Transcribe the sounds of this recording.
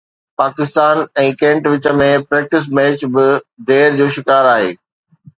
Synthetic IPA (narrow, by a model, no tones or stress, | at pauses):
paːkɪst̪aːnɛ̃ːkɛ̃ːɳʈʋɪt͡ɕə̆mẽpɾɛːk̚ʈɪs̬mɛːt͡ɕbɪɖeːɾd͡ʑoːʃɪkaːɾaːɦḛː